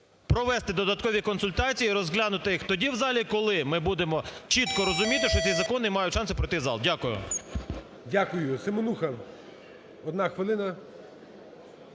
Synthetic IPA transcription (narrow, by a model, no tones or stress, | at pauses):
pɾɔʋɛst̪ɪd̪ɔd̪ɐt̪kɔʋʲikɔnsʊlʲt̪ɑt͡sʲijiːɾɔzɦlʲanʊt̪ɪjixt̪ɔdʲiwzɑlʲikɔlˠɪmɪbud̪emɔt͡ʃit̪kɔɾɔzʊmʲit̪ɪʃt͡ʃɔt̪ʲizɐkɔnɪmɑjʊtʲʃɑnsɪpɾɔjt̪ɪzɑ̰lˠdʲakʊjʊ̰ | dʲakʊjʊsɪmonuxɐ | ɔd̪nɑxʋɪlˠɪnɐ